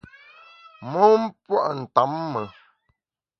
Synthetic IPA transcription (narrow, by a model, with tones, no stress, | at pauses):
mo˦m̩˦pwa̰˦ʔn̩˨ta˨˦mːə˨